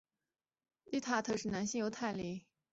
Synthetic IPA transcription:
li˥t̪ʰa˥˧˩t̪ʰɤ˥˧ʂɻ̩˥˩na˧˥nɕi˥˧jo˧˥ʊt̪ʰa˥˩ɪli˧˥

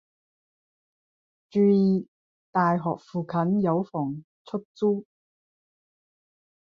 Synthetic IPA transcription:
t͡ʃyː˧jiː˨ | t̪aː˨jɦɔ̰ː˨k̚fuː˨kʰɐ˨˥njɐ˨˧wfɔː˨˩ŋ | t͡sʰɵ˥k̚t͡suː˥

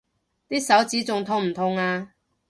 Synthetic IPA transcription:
t̪iː˥sɐ˨˥wt͡siː˨˥t͡sʊ˨ŋt̪ʰʊ˧ŋm̩˨˩t̪ʰʊ˨˧ŋaː˧

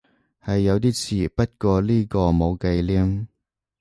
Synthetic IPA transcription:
hɐ˨jːɐ˨˧wt̪̬iː˥t͡sʰiː˨˩pɐ˥t̚kɔː˧liː˥kɔː˧mo˨˧wke˧jliː˥ŋ

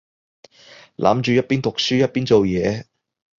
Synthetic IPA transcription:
lʔa̰ː˨˥mt͡ʃyː˨˧jɐ˥t̚piː˥nt̪ʊ˨k̚syː˥jɐ˥t̚piː˥nt͡so˨wjɛː˨˧

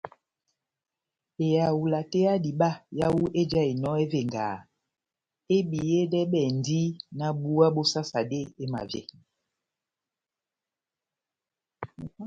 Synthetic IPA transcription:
e˨ja˨wu˨la˨te˦a˦di˨ɓa˦ja˦wu˦ʔe˦d͡ʒa˦e˨nɔ˦e˦ve˨ŋɡa̰ː˨ | e˦ɓi˨je˦dɛ˦ɓɛ˨n˦di˦na˦ɓu˦a˦ɓo˦sa˦sa˨de˦e˦ma̰˨vjḛ˨

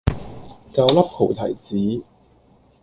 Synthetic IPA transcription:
kɐ˧wlɐ˥p̚hʰo˨˩wt̪ʰɐ̰˨˩jt͡siː˨˥

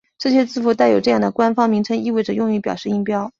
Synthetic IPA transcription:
ʈ͡ʂɤ˥˩ɕjɛ˥t͡sɹ̩˥˩fu˧˥˩t̪a˥˩ɪjo˨˩ʊʈ͡ʂɤ˥˧jɑ˥˩ŋd̪ə˩kwa˥nfɑ˥ŋmi˧˥ŋʈ͡ʂʰɤ˧˥ŋi˥˧we˥˩ɪʈ͡ʂɤ˩jʊ˥˧ŋi˥˩pjɑ˨˩ʊʂɻ̩˥˧i˥ŋpjɑ˥ʊ

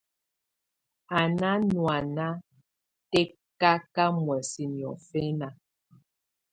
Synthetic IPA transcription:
a˨na˦nwa˨na˦ | tɛ˦ | ka˦ka˦mwɛ˨si˨njɔ̰˨fɛ˦na˨

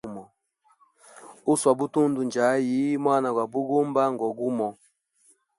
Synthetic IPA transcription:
mɔ˨ | u˦swa˨bu˦tu˦ndu˨nd͡ʒa˨˦ji˨˦mwa˦na˨ɡwa˨bu˦ɡu˦mba˦ŋ˨ɡɔ˨ɡu˦mɔ˨

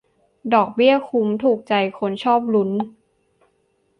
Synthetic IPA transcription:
dɔː˨˩k̚bi˥˩əkʰu˧˥mt̪ʰuː˨˩k̚t͡ɕa˧jkʰo˧˥nt͡ɕʰɔː˥˩p̚lu˦˥n

